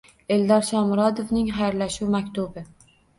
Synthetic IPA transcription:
e̞ld̪ɒɾʃɒmɾɒd̪ovnɪŋχajɾlaʃuwmakʲt̪ʊbɪ

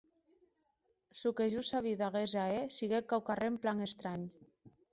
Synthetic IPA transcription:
sukeʒusaβiðaɣezaesiɣekawkaremplaŋest̪ɾaɲ

